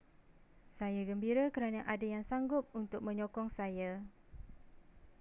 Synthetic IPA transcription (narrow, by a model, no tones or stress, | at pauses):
sajaɡəmbiɾakəɾanaʔadajaŋsaŋɡʊp̚unt̪ʊk̚mə̃ɲɔkɔŋsaja